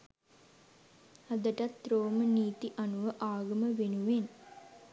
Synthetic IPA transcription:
ad̪əʈat̪ɾoːməniːt̪iʔanuʋəʔaːɡɐməʋenuʋen

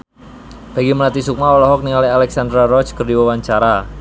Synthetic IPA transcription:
b̥a̤ɡiməlat̪isuk̚maɔlɔɦɔk̚nilalialɛksand̪ɾarɔt͡ʃkərdiwawaɲt͡ʃaɾa

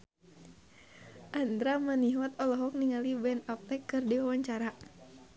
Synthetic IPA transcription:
ʔand̪ɾamaniɦwat̪ɔlɔɦɔk̚niŋalibɛnap̚t̪ɛkːɨrdiwawaɲt͡ʃaɾa

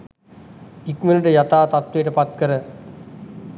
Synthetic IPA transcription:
ikmeləʈəjat̪aːt̪at̪ʋejʈəpat̪̚kəɾə

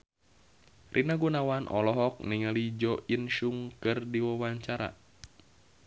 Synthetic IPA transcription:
rʔinaɡunawanʔɔ̰lɔɦɔk̚niŋalid͡ʒɔʔinʃuŋkɨrdiwawaɲt͡ʃaɾa̰

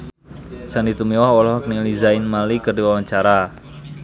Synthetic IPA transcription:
sanit̪umiwahwɔlɔhɔknilizaɪnmalikərdiwawaɲt͡ʃaɾa

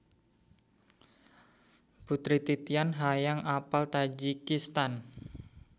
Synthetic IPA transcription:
b̥ut̪ɾit̪it̪ianɦajaŋapalt̪ad͡ʒikist̪an

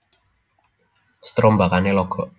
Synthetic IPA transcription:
st̪ɾɔmbakanelɔɡ̥ɔʔ

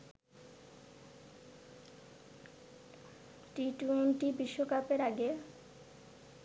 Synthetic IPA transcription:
ʈiʈuenʈibiʃːokapeɾaɡe

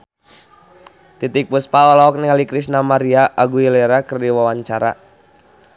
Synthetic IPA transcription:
t̪it̪ik̚puspaɔlaɔk̚nɛŋalikɾisnamaɾiaʔaɡuilɛɾakərdiwawaɲt͡ʃaɾa̰

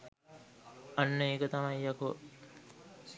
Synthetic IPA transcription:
ɐnːəeːkət̪ɐmajːakṵ

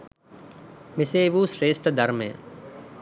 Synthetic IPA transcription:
mɪseːʋuːsɾeːsʈd̪ʱəɾmḛ̃ː

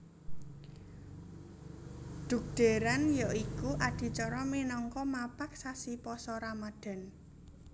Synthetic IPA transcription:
d̪̥ṳk̚ɖ̪̥e̤ɾanjaʔikuʔaɖ̪̥i̤t͡ʃɔɾɔminɔŋkɔmapak̚sasipɔsɔɾamaɖ̥a̤n

